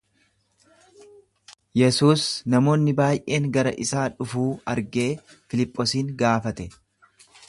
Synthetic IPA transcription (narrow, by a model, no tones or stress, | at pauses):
jɛsuːsnɐmo̞ːnːɪbaːjʔe̞ːŋɡɐɾɐʔɪsaːᶑʊfuːɐɾɡe̞ː | fɪlɪpʼːosiːŋɡaːfɐt̪ɛ